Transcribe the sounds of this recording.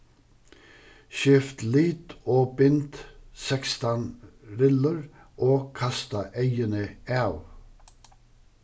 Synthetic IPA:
ʃɪft̪liːt̪oːbɪnt̪sɛkst̪ɑnɾɪləɹ | ʔoːkʰɑst̪ɑʔeɪənəæːʉ

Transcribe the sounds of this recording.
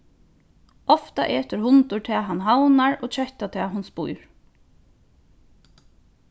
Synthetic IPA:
ɔft̪a̰ʔeːt̪ɪɾɦʊnt̪ʊɹʈ̪ʰɛːaɦanɦawnaɹoːt͡ʃʰɛht̪at̪ʰɛːɦʊnspujɹ

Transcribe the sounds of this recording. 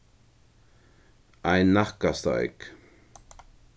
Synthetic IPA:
ajnːaχkast̪a̰ḛk

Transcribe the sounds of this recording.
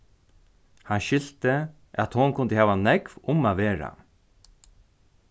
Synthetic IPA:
hanʃɪl̥t̪ə | ʔat̪hʊnkʰʊnd̪əhɛːʋanɛkvʊmaːʋeːɾa̰

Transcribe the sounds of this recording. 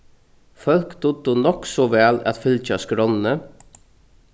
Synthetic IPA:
fœlkd̪ʊd̪ʊnɔksɔʋæːlɑ̰t̪fʏlc͡çɑːskɾɔnnə

